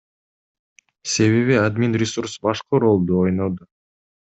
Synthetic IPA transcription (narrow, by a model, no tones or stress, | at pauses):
se̞βe̞βiad̪mʲinrʲɪsuɾsbɑʃqəɾo̞lˠd̪uo̞jnod̪ʊ